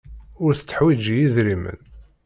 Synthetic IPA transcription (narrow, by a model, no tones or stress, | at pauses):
ʊɾθə̥t͡sːə̥ħwid͡ʒjiðɾimə̰n